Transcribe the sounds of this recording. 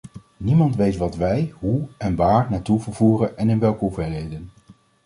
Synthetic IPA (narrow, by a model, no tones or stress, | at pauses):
nimɑntʋejtʋɑtʋɛjɦuɛnʋaːɹnaːtuvəɹvuːrənɛnɪnʋɛlˠkəuvɛlɦejdən